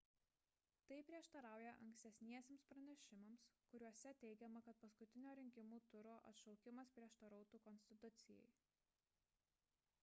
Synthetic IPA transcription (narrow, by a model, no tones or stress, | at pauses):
t̪ɐɪpʲɾʲiɛʃt̪ɐɾɑˑʊjɛʔɐ̰ŋʲksʲt̪ʲɛsʲnʲiɛsʲeːmspɾɐnʲɛʃʲɪmɐmskʊɾʲuɔsʲɛt̪ʲɛɪɡʲɛmɐkɐt̪̚pɐskʊt̪ʲɪnʲoːɾʲɪŋʲkʲɪmuːt̪ʊɾoːʔɐt̪ʃɒʊkʲɪmɐspʲɾʲiɛʃt̪ɐɾɐʊt̪uːkɔnʲsʲt̪ʲɪt̪ʊt̪sʲɪjɛ̰ɪ